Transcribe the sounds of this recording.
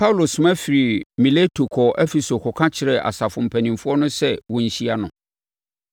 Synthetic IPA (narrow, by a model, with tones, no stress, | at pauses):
pʰa˦wlo˨sʊ̃˨mã˦fi˨ɾi˨mĩ˨le˦tʰo˨kʰɔ˨ʔɛ˦fe˨so˨kʰɔ˨kʰã˦t͡ɕʰɪ˨ɾɛ˨ʔa̰˨sa˨fʊ̃˨m̩˨pʰæ˨nĩ˨mfʊ˦ɔ˦nʊ̃˦sɛ˦wɔ̃˨n̩˦˨ɕi˦a˦nʊ̃˨